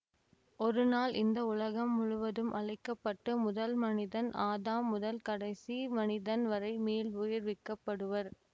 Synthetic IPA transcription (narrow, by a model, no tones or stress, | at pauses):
ɔɾɯnaːlʔɪ̰nd̪ɐʊlɐɣɐmːʊɻʊʋɐðɯmʔɐɭɐɪkːɐpːɐʈːɯmʊðɐlmɐnɪðɐnaːðaːmːʊðɐlkɐɽɐɪsimɐnɪðɐnʋɐɾɐɪmeːlʊjɪɾʋɪkːɐpːɐɽɯʋɐɾ